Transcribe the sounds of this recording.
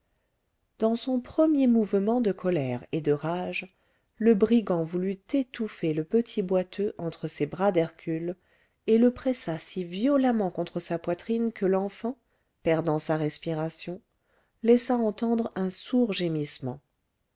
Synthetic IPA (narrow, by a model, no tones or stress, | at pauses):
d̪̥ɑ̃sɔ̃pχəmjemuvmɑ̃d̪əkʰɔlɛʁed̪əʁaʒ | ləbʁiɡɑ̃vulyt̪et̪ufeləpət̪ʰibwat̪ʰøʔɑ̃t̪χəsebʁad̪ɛʁkʲʰyl | eləpχɛsasivjɔlamɑ̃kɔ̃t̪χəsapwat̪χinkəlɑ̃fɑ̃ | pɛʁd̪ɑ̃saʁɛspiʁasjɔ̃ | lɛsaɑ̃t̪ɑ̃d̪ʁɛ̃suʁʒemismɑ̃